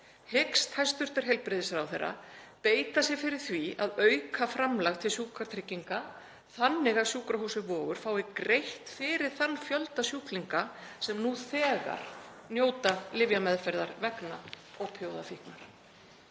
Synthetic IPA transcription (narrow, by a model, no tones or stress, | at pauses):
hekst̪hajst̪ʏr̥t̪ɪɾ̥ɦejlpɾɪðɪsɾawθerːa̰peːjt̪asɪɣfɪɾɪɾ̥θvia̰ðœɥkʰafɾamlaɣt̪ʰɪlsjuːkaɾt̪ʰɾɪcːiŋka | θanːɪɣasjuːkɾaɦuːsʏvɔːɣʏɾ̥faːwɪkɾejht̪fɪːɾɪɾ̥θanːfjœlt̪asjuhkliŋkasɛmnuθɛːɣa̰ɾ̥njoːwt̪alɪvjamɛðfɛjɾðaɾvɛkna | ɔɣpʰjoːwðafihknaɾ̥